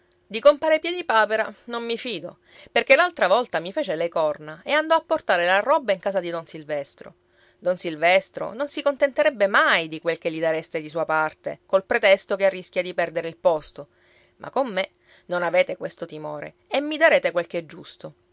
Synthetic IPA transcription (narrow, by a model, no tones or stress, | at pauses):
d̪ikompaːɾepjɛːd̪ipaːpeɾanomːifiːd̪o̰ | perk̟elalt̪ɾavɔlt̪amifeːt͡ʃelekɔrnaeand̪ɔapːort̪aːɾelarɔbːaiŋkaːzad̪id̪onsilvɛst̪ɾo̰ | d̪onsilvɛst̪ɾo̰nonsikont̪ent̪eɾɛbːemajd̪ikwelk̟elːid̪aɾest̪ed̪is̬uːapart̪ḛkolpɾet̪ɛst̪okearːisk̟jad̪ipɛrd̪eɾeilpɔst̪o | mʔa̰kːomːe | nonaveːt̪ekwest̪ot̪imo̰ːɾḛ | emːid̪aɾeːt̪ekwelk̟eɛd͡ʒːust̪o